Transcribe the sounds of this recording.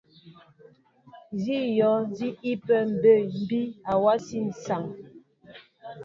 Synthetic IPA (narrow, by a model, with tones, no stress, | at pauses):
zi˦jɔ˨˦zi˦i˦pɛ˨m̩˨be˦˨m̩˦˨bi˦a˨wa˦si˦n̩˨sa˨ŋ